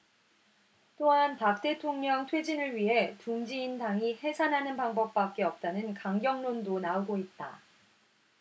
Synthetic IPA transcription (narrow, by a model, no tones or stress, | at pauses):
t͈oɦanpak̚t͈e̞tʰoŋɲʌŋtʰwe̞d͡ʑinɯɭɥiɦe̞tuŋd͡ʑiːndaŋihe̞sʰanɦanɯnpaŋbʌp̚p͈ak̚k͈e̞ʌp̚t͈anɯnkaŋɡjʌŋnondonaoɡoit̚t͈a̰